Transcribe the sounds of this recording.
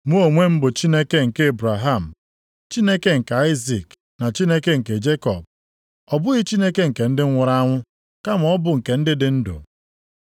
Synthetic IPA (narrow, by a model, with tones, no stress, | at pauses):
mu˦o˨ŋʷe˦m̩˦bʊ˨t͡ʃi˦ne˦ke˦ŋ̩˨ke˦e˦bɾa˨ɦa˦˨m̩˨ | t͡ʃi˦ne˦ke˦ŋ̩˨ka˨a˦i˦zi˨k | na˨t͡ʃi˦ne˦ke˦ŋ̩˨ke˨d͡ʒe˦kɔ˨b̚ | ɔ˨bʊ˦ɣi˦t͡ʃi˦ne˦ke˦ŋ̩˨ke˨n̩˦dɪ˦ŋ̩˦ŋʷʊ˨ɾa˦a˦ŋʷʊ˦ | ka˦m˨ɔ˦bʊ˨ŋ̩˨ke˨n̩˦dɪ˦dɪ˦n̩˦dʊ̰˨